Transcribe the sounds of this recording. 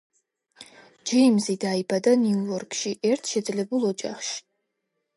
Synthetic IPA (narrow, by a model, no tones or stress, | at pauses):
d͡ʒɛmzid̪aibad̪aniuɔɾkʼʃiʔɛɾt̪ʰʃɛd̪zlɛbulˠɔd͡ʒa̰χʃi̥